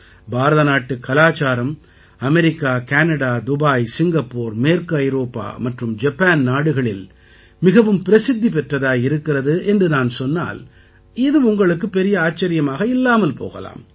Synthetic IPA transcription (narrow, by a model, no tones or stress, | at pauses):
baːɾɐðɐnaːʈːɯkːɐlaːt͡ʃaːɾɐm | ɐmɛɾɪkːaːkaːnɐɽaːd̪ʊbaːjsɪŋɡɐpːoːɾmeːɾkɯɐjɾoːpːa̰ːmɐʈrɯmd͡ʒɐpːaːnnaːɽɯɣɐɭɪl | mɪɣɐʋɯmpɪɾɐsɪd̪ːipɛʈrɐðaːjɪɾɯkːɪrɐðɯʔɛndrɯnaːnsɔnːa̰ːl | ɪðɯʊŋɡɐɭɯkːɯpːɛɾɪjɐaːt͡ʃːɐɾɪjɐmaːɣɐɪlːaːmɐlpo̰ːɣɐ̰la̰ːm